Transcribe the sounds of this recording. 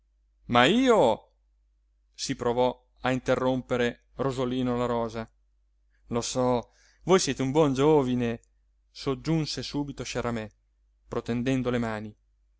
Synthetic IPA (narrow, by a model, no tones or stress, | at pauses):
maiːo | sipɾovɔ | aint̪erːompeɾe | rozoliːnolaɾɔːza | losɔ | vojsjeːt̪eumbwɔnd͡ʒoːvine | sod͡ʒːunsesuːbit̪oʃaɾamɛ | pɾot̪end̪ɛnd̪olemaːni